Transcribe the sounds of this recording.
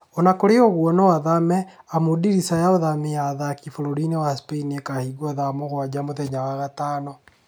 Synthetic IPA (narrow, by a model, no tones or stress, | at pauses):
ɔnakoɾeɔɣwɔnɔwaðamɛ | amodiɾisajaoðameaðakifoɾoɾinewaspeiniekahiɡwɔðamoɣwad͡ʑamoðɛɲaɣaɣataːnɔ